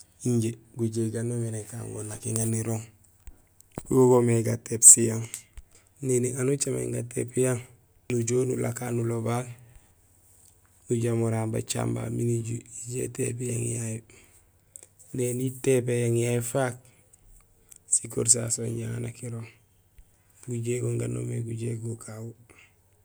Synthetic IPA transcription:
iɲɟe | ɡuɟeɡanomineka̰ːŋɡo̰nakiŋaniɾoŋ | uoɡomeɡatepsijaŋ | neniŋanut͡ʃamḛŋɡatḛpjaŋ | nuɟoːnṵlʔa̰kaːnulobal | nuɟamuɾaːnba̰t͡ʃa̰mba̰miniɟiɟḛtepjaŋjaji | nenitepejaŋjaifak̚ | sikṵɾs̬a̰soɲaŋnakiɾo | ɡuɟeɡoŋɡa̰no̰meɡuɟeɡukʰawu

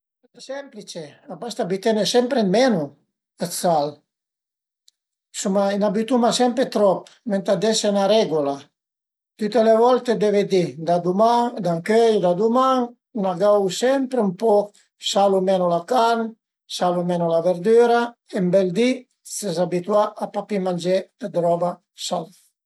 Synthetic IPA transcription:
esɛmplit͡ʃeabast̪abit̪enesɛmpɾemenu | at͡sal | sumainabit̪umasɛmpɾet̪ɾɔpment̪ad̪esenaɾɛɡula | t̪yt̪elevɔlt̪ed̪eved̪id̪ad̪umad̪aŋkøjd̪ad̪umaŋ | naɡawsɛmpɾeumpɔ | salumɛnulakan | salumɛnulaveɾd̪yɾaembɛld̪i | sezabit̪waʔapapimand͡ʒed̪̥ad̪ɾɔba | sal

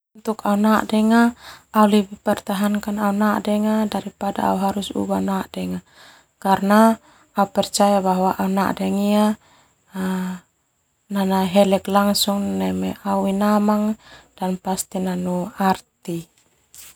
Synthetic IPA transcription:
unt̪ukaunaʔdɛŋaːulibipɛrt̪aɦaŋkanaunaʔdɛŋadaɾipada̰ːuɦaɾusṵbanaʔdɛŋa | karnaː | upɛrt͡ʃajabaɦwaʔauna̰ʔdɛŋia | nanaɦɛlɛklaŋsuŋnɛmɛʔauinamaŋd̥anpast̪inanuart̪i

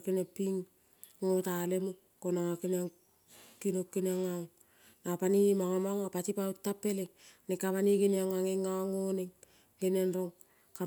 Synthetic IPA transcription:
kinepiŋ | ŋotalemu | konaakinaŋ | kinokːinaŋao | napanimaŋamaŋapatipautːapːe̞lenekaβaniɡiniaŋaŋeŋaoŋoneŋ | ɡenenɾoŋ | ka

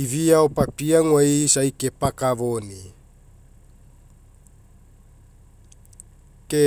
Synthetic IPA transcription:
iviaopapiaŋwejsajkepakavoni | ke

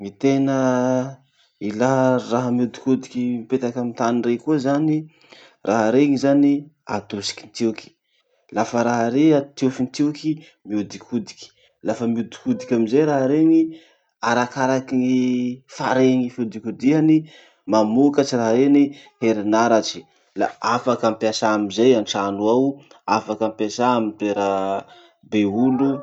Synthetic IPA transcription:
ŋit̪enə | ilaɦraɦəmiud̪i̥kud̪ikʲimipet̪akamint̪anirekuəzani | rʔaɦaɾeŋizania̰t̪usi̥ki̥nt̪iwki̥ | lafəɾaɦaɾeat̪ufinit̪iwki | miud̪ikʰud̪i̥kʲi̥ | lafəmiud̪i̥kud̪ikʲamizejɾaɦɾeŋi | aɾakaɾakiifaɾeŋifud̪ikud̪iani | mamukat͡ʃiraɦɾeniheɾinaɾat͡ʃi̥ | la̰afakampiasaːmizajanʈ͡ʂanuaw | afakampjasamipeɾə | beulu

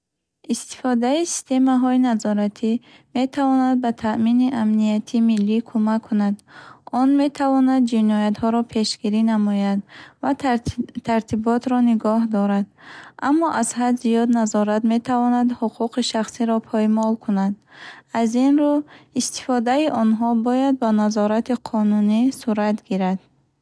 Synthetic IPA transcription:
ist̪i̥fɔd̪aisi̥st̪e̞maɦɔinazɔɾat̪ʰi | me̞t̪ʰavɔnad̪̚bat̪ʰaʔminiʔamniat̪ʰimilːikʰumakʰːunad̪ɔnme̞t̪ʰavɔnad̪̚d͡ʒinɔjat̪hɔɾɔpʰe̞ʃɡiɾinamɔjad̪vat̪ʰaɾt̪ʰibɔt̪ɾɔniɡɔɦd̪ɔɾad̪ʔamːɔʔazhad̪zijɔd̪nazɔɾat̪me̞t̪ʰavɔnad̪huqʰuqiʃaχsiɾɔpʰɔjmɔlkʰunad̪̚azinɾuist̪i̥fɔd̪aiʔɔnɦɔbɔjad̪̚banazɔɾat̪iqʰɔnunisuɾat̪ɡiɾad̪̥

